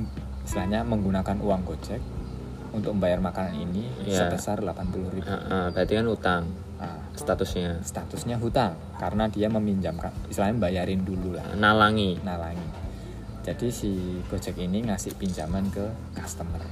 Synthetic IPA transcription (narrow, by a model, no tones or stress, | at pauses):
islahɲaməŋɡunakanuwaŋkot͡ʃɛk̚ | unt̪ʊk̚məmbajarmakananḭnijsəbəsarlapanpulʊhɾib̰ʔbɦat̪ikanhut̪aŋ | ʔa | st̪at̪ʊsɲast̪at̪ʊsɲaɦut̪aŋ | kaɾənadiaməmiɲd͡ʒamkanist̪lahɲabajaɾɪndulula̰nalaŋinalaŋi | d͡ʒadisikot͡ʃɛkiniŋasɪhpiɲd͡ʒamankə | kast̪əmər